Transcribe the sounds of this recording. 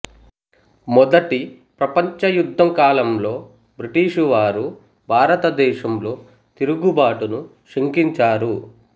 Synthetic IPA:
mɔd̪ɐʈi | pɾɐpɐɲt͡ʃɐjud̪ʱːɐŋkaːlɐmlo̞ː | bɾiʈiːʂuʋaːɾu | bʱaːɾɐt̪ɐd̪ɛːʃɐmlo̞ː | t̪iɾuɡubaːʈunu | ʃeŋkiɲt͡ʃaːɾu

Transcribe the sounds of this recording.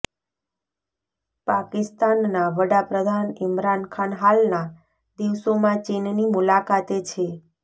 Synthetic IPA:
pakɪst̪anːaʋəɽapɾəd̪ʱanɪmɾankʰanɦalna | d̪iʋsomãt͡ʃinnimulakat̪et͡ʃʰe

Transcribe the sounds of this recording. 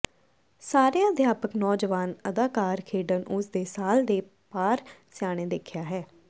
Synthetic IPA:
saːɾejãːd̪ʱjaːpəknɔːd͡ʒəʋaːnəd̪aːkaːɾkʰeːɖənʔʊsd̪eːsaːld̪eː | paːɾsɪjaːɽ̃ẽːd̪eːkʰjaːɦɛː

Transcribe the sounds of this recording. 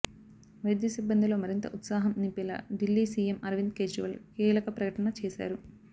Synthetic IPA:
ʋɐjd̪jɐsibːɐnd̪ilo̞ːmɐɾint̪ɐ̰ʔut̪saːɦɐmnimpilɐ̰ɖilːiːsiːjemɐɾʋind̪̚keːd͡ʒiʋɐlkiːlɐkɐpɾɐkɐʈɐnɐt͡ʃeːʃa̰ːɾu

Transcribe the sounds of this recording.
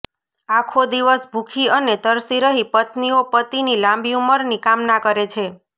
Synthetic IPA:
akʰod̪iʋəsbʱukʰiənet̪əɾsiɾəɦipət̪niopət̪inilãmbiuməɾnikamnakəɾet͡ʃʰe

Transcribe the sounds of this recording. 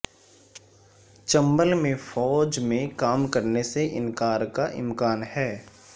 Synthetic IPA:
t͡ʃɐ̃mbəlmẽfɔːd͡ʒmẽkaːmkəɾneseʔɪ̰̃nkaːɾkaʔɪ̰̃mkaːnɦɛː

